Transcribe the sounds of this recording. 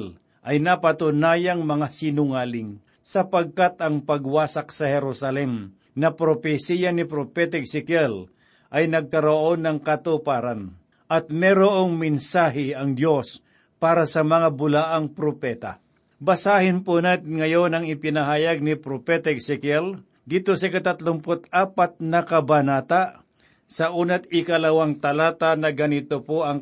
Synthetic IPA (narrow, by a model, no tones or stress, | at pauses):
l | ʔɐjnɐpɐt̪ʊnaːjɐŋmɐŋasɪnʊŋaːlɪŋ | sɐpɐɡ̚kat̪ɐŋpɐɡwaːsaksɐhɛɾusɐlɛm | nɐpɾopɛsijanɪpɾopɛt̪aɡsɪkɛl | ʔɐjnɐɡ̚kɐɾoʔo̞nɐŋkɐt̪ʊpaːɾan | ʔɐt̪̚mɛɾoʔoŋmɪnsaːɦɪɐŋd̪jo̞s | paːɾasɐmɐŋabʊlaʔaŋpɾopɛt̪a̰ | bɐsaːhɪnponaːt̪ɪnŋɐjo̞nɐŋɪpɪnɐɦaːjɐɡ̚nɪpɾopɛt̪aɛksɪkɛl | d̪iːt̪osɐkɐt̪at̪lʊmpot̪aːpat̪̚nɐkɐbanaːt̪aʔ | sɐʔuːnɐt̪̚ɪkɐlɐwaŋt̪ɐlaːt̪anɐɡɐnɪt̪opoʔɐŋ